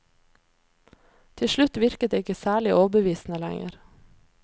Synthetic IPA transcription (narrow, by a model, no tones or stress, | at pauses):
t̪ʰɪʃɭʉt̪ʋɪɾkət̪̚eːɪkəsæːɭɪʔoːʋbəʋiːsn̩əlæ̰ŋə̰ɾ